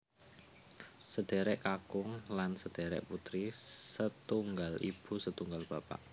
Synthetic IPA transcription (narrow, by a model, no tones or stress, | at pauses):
səd̪̥e̤ɾɛʔkakʊŋlansəd̪̥eɾɛ̰ʔput̪ɾisət̪uŋɡalḭb̥ṳsət̪uŋɡalb̥apa̰ʔ